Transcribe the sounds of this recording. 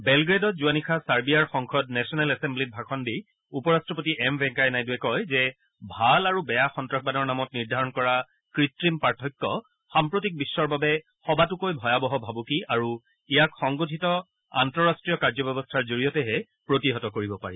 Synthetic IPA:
bɛlɡɹedɔtzuanikʰasaɹbiaɹxɔŋkʰɔdnɛsɔnɛlɛsɛmblit̚bʱakʰɔndi | upɔɹastɹɔpotiʔɛmbʱɛ̃ŋkajnajduɛkɔjzɛ | bʱalaɹubɛjaxɔntɹɔk̚banɔɹnamɔtniɹdʱaɹɔnkɔɹa | kɹitɹimpaɹtʰɔjkːɔ | xampɹotik̚bisːɔɹbabɛ | xɔbatukojbʱɔjabɔɦɔbʱabukiaɹu | ijakxɔŋɡotʰitɔ | a̰ntɹɔɹastɹijɔkaɹzɔbɔbɔstʰaɹzoɹijɔtɛɦɛ | pɹotiɦɔtɔkoɹibɔpaɹi

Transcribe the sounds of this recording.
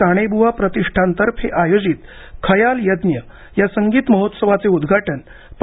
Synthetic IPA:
aɽ̃ebʱuʋapɾət̪iʂʈʰãnt̪əɾpʰeʔajod͡ziːt̪ | kʰəjaljəd̪njə | jasəŋɡiːt̪məɦot̪səʋat͡seud̪ɡʱaʈən | p

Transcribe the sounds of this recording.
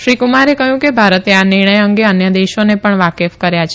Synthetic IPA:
ʃɾikumaɾekəɦjũkebʱaɾət̪eanɪɾɳ̃əjəŋɡeənjəd̪eʃonepəɳʋakefkəɾjat͡ʃʰe

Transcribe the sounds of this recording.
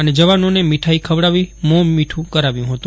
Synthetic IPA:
əned͡ʒəʋanonemiʈʰaikʰəʋɽaʋimomiʈʰũkəɾaʋjũɦət̪ũ

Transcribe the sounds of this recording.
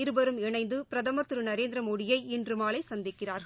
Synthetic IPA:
ɪɾɯbɐɾɯmɪɳɐɪnd̪ɯpɪɾɐðɐmɐt̪ːɯɾɯnɐɾeːnd̪ɾɐmoːɽɪjɐɪɪndrɯmaːlɐɪsɐnd̪ɪkːɪraːɾɣɐ

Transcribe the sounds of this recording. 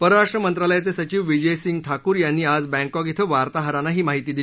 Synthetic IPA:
pəɾɾaʂʈɾəmənt̪ɾaləjat͡sesət͡ɕiːʋʋid͡ʑəjsiŋɡʈʰakuːɾjanːiːad͡zbɛ̃ŋkɔɡit̪ʰəʋaɾt̪aɦəɾanaɦiːmaɦit̪iːd̪i

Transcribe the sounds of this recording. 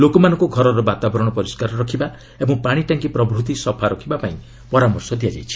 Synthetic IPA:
lokɔmanɔ̃ŋkuɡʱɔɾɔɾɔbat̪abɔɾɔɽ̃ɔpɔɾiskaɾɔɾɔkʰiba | ebɔ̃ŋpaɽ̃iʈaŋkipɾɔbɾut̪̬isɔpʰaɾɔkʰibapaĩ | pɔɾamɔɾsɔd̪ʱijad͡ʒa̰jt͡ʃʰi̥

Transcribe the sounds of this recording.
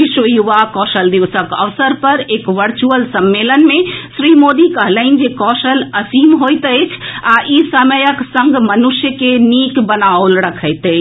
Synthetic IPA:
ʋiʃəjuʋakɔʃəld̪iʋsəkə̰ʋsəɾpəɾeːkʋəɾt͡ʃuəlsəmːelənmẽsɾimod̪ikəɦləɦɪn̆d͡ʒekɔʃələsimɦojt̪əjt͡ʃʰaʔisəməjəksə̃ŋɡmənuʃjəkenikbənaolɾəkʰəjt̪əjt͡ʃʰ

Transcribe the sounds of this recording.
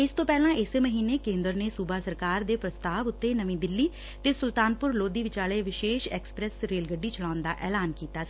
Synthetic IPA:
ɪst̪õːpɛːlãːɪseməɦiːneːkẽːnd̪əɾneːsuːbaːsəɾkaːɾd̪eːpɾəst̪aːʋʊt̪ːeːnəmĩːd̪ɪlːiː | t̪eːsʊlt̪aːnpʊɾloːd̪iːʋɪt͡ʃaːleːʋɪʃeːʃɛːksə̥pɾɛsɾeːlɡəɖːiːt͡ʃəlaːʊnd̪aːʔɛːlaːnkiːt̪aːsi

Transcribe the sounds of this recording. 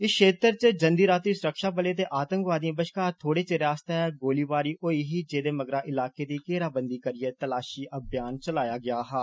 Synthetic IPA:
ɪskʃeːt̪əɾt͡ʃəd͡ʒənd̪iːɾaːt̪ɾiːsʊɾəkʃaːpəlet̪̬eʔaːt̪ə̃ŋkʋaːd̪iãbəʃkaːt̪ʰoːɽeːt͡ʃeɾaːst̪eɦɛːɡoːliːʋaːɾiːʔoːiːɦiːd͡ʒeːd̪eːməɡɾaːʔɪlaːked̪iːkeːɾaːbə̃nd̪iːkəɾɪet̪əlaːʃiːʔɐbjaːnt͡ʃəlaːjaːɡɪjaːɦɛː

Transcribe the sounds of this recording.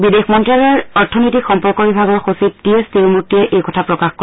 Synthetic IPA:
bidexmɔntɹalɔɹɔɹtʰɔnɔjtikxɔmpɔɹkɔbibʱaɡɔɹxosip̚tiɛstilmuɹtːiɛʔejkɔtʰapɹɔkaxkoɹ

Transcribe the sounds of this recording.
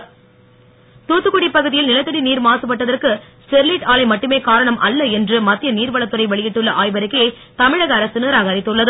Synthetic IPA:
t̪uːt̪ːɯkːʊɽipːɐɣɯðɪjɪlnɪlɐt̪ːɯɽiniːɾmaːsɯpɐʈːɐðɐrkɯsʈɛɾliʈaːlɐɪmɐʈːɯmeːkaːɾɐɳɐmʔɐlːɐɛndrɯmɐt̪ːɪjɐniːɾʋɐɭɐt̪ːɯɾɐɪʋɐɭɪjɪʈːɯɭːɐʔaːjbɐɾɯkːɐɐ | t̪ɐmɪɻɐɣɐːɾɐsɯnɯːɾaːɣaːɾɪt̪ːɯɭːɐðɯ

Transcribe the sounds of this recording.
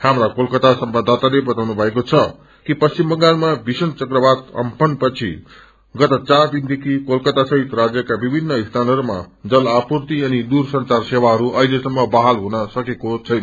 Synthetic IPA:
hamɾakolkʌt̪asʌmbad̪ʱat̪alebʌt̪awnubʱʌekot͡sʰʌ | kipʌst͡simbʌŋɡanmabisʌnt͡sʌkrʌbad̪ʌ̰mpʰʌnpʌt͡sʰḭ | ɡʌt̪ʌt͡saɾd̪ind̪ekʰikolkʌt̪asʌɦit̪rad͡zjʌkabibʱinːʌist̪ʰanʌɾma̰d͡zʌlapurt̪iʌnid̪ursʌnt͡sarsewaɦʌɾuʔʌilesʌmːʌbaɦalɦunʌsʌkekot͡sʰʌjnʌ

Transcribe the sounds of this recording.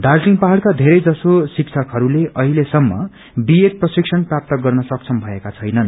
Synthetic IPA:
d̪arsiŋɡpaɦalkad̪ʱeɾʌjd͡zʌsosikt͡sʰʌkɦʌɾuleʔʌɦilesʌmːʌ | bieʈ̪̚prʌsiksʰʌnprap̚t̪ʌɡʌrnʌsʌk̚t͡sʰʌmbʱʌekat͡sʰʌjnʌn

